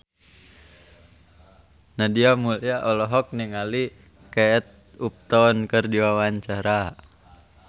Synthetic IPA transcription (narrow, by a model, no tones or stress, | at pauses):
nadiamuliaʔɔlɔɦɔk̚niŋali | kɛt̪̚ | up̚t̪ɔnkərdiwawaɲt͡ʃaɾa